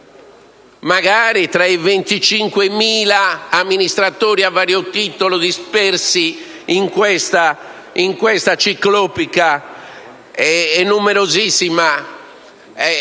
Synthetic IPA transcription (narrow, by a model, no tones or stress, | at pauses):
maɣaːɾit̪ɾaivent̪it͡ʃiŋkwɛmiːlaːmːinist̪ɾat̪oːɾiavaːɾjɔt̪it̪ːolɔðispɛɾsiː | ŋkwɛst̪a | iŋkwɛst̪at͡ʃikloːpika | ɛɛnːumɛɾozisːima | ɛ